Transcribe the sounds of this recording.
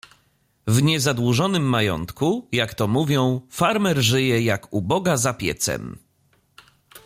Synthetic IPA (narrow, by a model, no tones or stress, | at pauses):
vɲɛzad̪wuʐɔnɘmːajɔ̰nt̪kujakt̪ɔmuvʲjɔ̃w̃faɾmɛɾʐɘjɛjakubɔɡazapʲjɛ̰t̪sɛ̰m